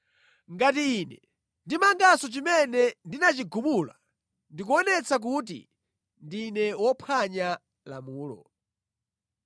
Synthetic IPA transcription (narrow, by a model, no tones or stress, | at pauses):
ŋɡatiːnɛ | ndimaŋɡasɔt͡ʃimɛnɛndinat͡ʃiɡumula̰ | ndikuɔnɛt͡sak̬ut̬ḭ | ndinɛwɔpʰaɲa | la̰muːlɔ̰